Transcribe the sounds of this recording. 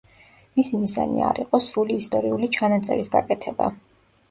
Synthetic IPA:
misimizanḭaɾiqʼɔsɾuliːst̪ʼɔɾiulit͡ʃʰanat̪sʼɛ̰ɾisɡa̰kʼɛt̪ʰɛba̰

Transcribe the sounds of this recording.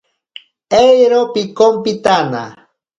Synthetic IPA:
ejɾopɪkompɪt̪ana̰

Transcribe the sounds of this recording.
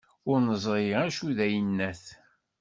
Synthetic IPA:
ʊɾnəzˤɾˤiʁæʃuðæjənːæθ

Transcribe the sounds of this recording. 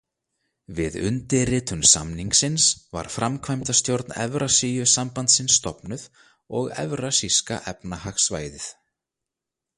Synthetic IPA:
vɪðʏ̰nt̪ɪrɪːt̪ʏmsa̰mniŋksɪnsva̰ɾ̥fɾamkʰvajmt̪ast̪jowɾt̪nɛ̰vɾʔasiːjʏsampant̪sɪnsːt̪ɔpnʏð | ɔɣɛ̰vɾasiska̰ʔɛpnahaxsva̰ːjðɪθ

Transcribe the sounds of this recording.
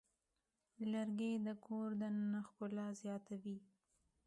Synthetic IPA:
laɾɡed̪əkʰoɾd̪ənnaxkʊlɑzjɑt̪awi

